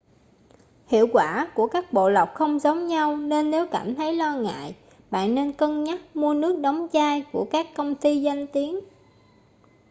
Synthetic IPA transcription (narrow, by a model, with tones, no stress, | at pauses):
hḭ˧˨əwkwaː˧˩ku˧˩əkaː˦˥k̚ɓo̰˧˨la˨˩wk͡p̚xə˧wŋ͡mzə˨˦wŋ͡mɲa˧wne˧nːe˨˦wkaː˧˩mt̪ʰə˨˦jlɔ˧ŋa̰ː˧˨j | ɓa̰ː˧˨nːe˧nkə˧nɲa˦˥t̚mu˧ənɨ˦˥ək̚ɗɔ˨˦wŋ͡mzaː˧jku˧˩əkaː˦˥kːə˧wŋ͡mt̪i˧za˧jŋ̟t̪i˨˦ən